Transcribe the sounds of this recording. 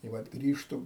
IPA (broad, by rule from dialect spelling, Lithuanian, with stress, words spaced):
ɪ ˈʋɐt ˈɡrʲiːʃtʊ